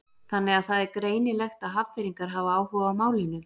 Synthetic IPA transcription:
θanːɛɣaðθaðɛɾkɾeːjnɪlɛxt̪aðɦav̥fɪɾiŋkaɾ̥ɦavaaːwhɔvawmaːwlɪnːʏ

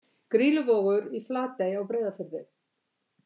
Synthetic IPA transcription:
kɾiːlʏvɔːɣʏɾiflaːt̪ejawpɾeːjðafɪɾðɪ

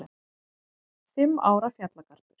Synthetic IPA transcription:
fɪmːa̰ːwɾafjat̪lakʰaɾ̥t̪ʏɾ̥

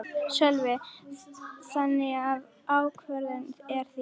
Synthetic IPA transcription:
sœlvɪ | θanːɪɣav | aːwkʰvɛɾðʏnt̪ɛɾ̥θi

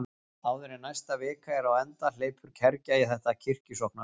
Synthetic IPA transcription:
aːwðʏɾɪnajst̪avɪːkaɛɾawɛnt̪al̥eːjpʰʏɾ̥cʰɛɾcaiθɛht̪acʰɪr̥cɪsɔhkna

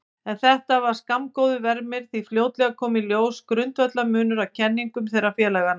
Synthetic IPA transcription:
ɛnθɛht̪avaɾ̥skamkoːwðʏvɛɾmɪɾ̥θifljoːwt̪lɛɣakʰɔːmiljoːwskɾʏnt̪vœt̪lamʏːnʏɾawcʰɛnːiŋkʏmθejɾafjɛːlɛɣana

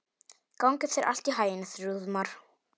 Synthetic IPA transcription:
kawŋkʏθɛɾʔa̰l̥t̪iɦaːjɪnɪθɾuðmaɾ̥

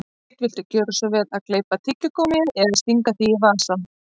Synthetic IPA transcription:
t̪vɪl̥t̪ʏcœːɾʏsɔvɛːɾaðkleːjpat̪ʰɪcːʏkoːwmɪɪnɛðast̪iŋkaθiːvaːsan

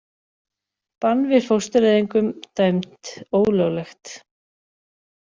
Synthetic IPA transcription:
panːvɪð̥fowst̪ɪɾɛðiŋkʏmt̪aːɥmt̪oːwlœɣlɛxt̪

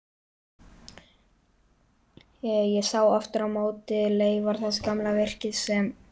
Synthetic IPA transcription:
jɛsaːwɔft̪ɪɾawmoːwt̪ɪleːjvaɾ̥θɛskamlavɛr̥cɪðsɛm

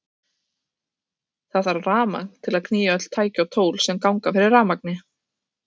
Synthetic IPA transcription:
θaðvaɾraːma̰knt̪ʰɪlaðkʰniːjaœt̪l̥t̪ʰaːjcawt̪ʰoːwlsɛmkawŋkafɪɾɪɾːaːmak̚nɪ

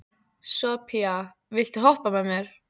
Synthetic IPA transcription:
sɔpʰia | vɪl̥t̪ɪɦɔhpamɛmɛɾ̥

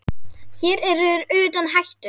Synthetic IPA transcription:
çɛːɾɛrːʏːʏɾʏːt̪anɦajht̪ʏ

